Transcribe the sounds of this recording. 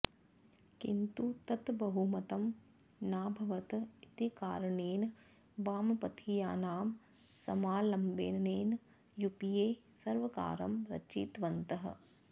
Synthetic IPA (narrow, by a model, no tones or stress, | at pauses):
kḭnt̪ut̪ɐt̪bɐɦumɐt̪ɐm | naːbʱɐʋɐt̪it̪ika̰ːɾɐneːn | baːmɐpɐt̪ʰija̰ːnaːm | sɐ̰maːlɐmbḛːnɐneːn | jupijeː | sɐɾʋɐka̰ːɾɐmɾɐ̰t͡ʃiːt̪ʋɐnt̪ɐɦɐ̰̆